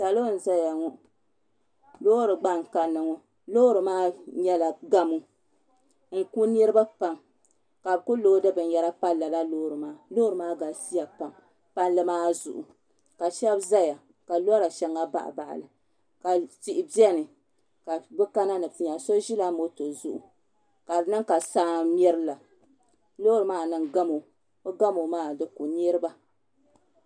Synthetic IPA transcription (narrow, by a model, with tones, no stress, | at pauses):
sa˨lo˦˨n̩˨za˦ja˨ŋɔ˨ | lo˦ɾɨ˨ɡ͡ba˦ŋ˨ka˨nːɨ˨ŋɔ˨ | loː˦ɾɨ˨maː˦ɲɛ˦la˨ɡa˦mu˦ | ŋ̩˦ku˦nɨ˦ɾɨ˦ba˦pa˨ŋ | ka˨bku˦loː˦dɨ˦bɨ˨n˦jɛ˦ɾa˦pa˦lla˨la˦loː˦ɾɨ˨maː˦loː˦ɾɨ˨maː˦ɡa˨si˦ja˨pa˨m | pa˦n˦lɨ˦maː˦zṵ˨ʔṵ˨ | ka˨ʃɛ˦bza˦ja˨ | ka˨lɔ˦ɾa˨ʃɛ˦ŋːa˦ba̰˦ʔa̰˨ba˨ʔa̰˨lɨ˨ | ka˨ti˨ʔɪ˨bɛ˦nɨ˨ | ka˨bɨ˦ka˦na˦nɨ˨fi˨ɲa˨so˦ʒi˦la˦mo˦to˨zu˦ʔu˨ | ka˨nɨ˦ŋka˨saː˦m˦ɛ˦ɾɨ˦la˨ | lo˦ɾɨ˨maː˦nɨ˨ŋɡa˦mo˨ | o˦ɡa˦mo˨maː˦dɨ˦ku˨n˦e˦ɾɨ˦ba˦